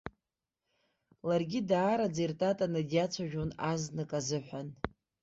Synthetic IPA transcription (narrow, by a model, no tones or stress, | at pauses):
larɡʲidaːɾad͡zejrtʼatʼanadijat͡sʷʰaʒᶣonaznɨkʼazɨħʷan